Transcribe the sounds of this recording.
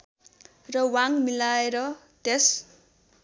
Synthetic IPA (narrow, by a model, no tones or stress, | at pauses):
rʌwaŋmilaeɾʌ | t̪es